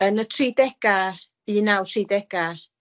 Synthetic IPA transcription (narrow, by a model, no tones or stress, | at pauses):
ənətʰridɛɡ̥a | iːnawtʰridɛɡ̥a